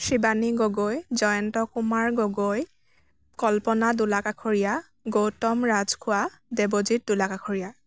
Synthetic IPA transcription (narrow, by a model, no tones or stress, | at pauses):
sibaniɡɔɡojzɔjɔntɔkumaɹɡɔɡoj | kɔlpɔnadulakakʰoɹija | ɡowtɔmɹazkʰʊwa | dɛbozit̚dulakakʰoɹija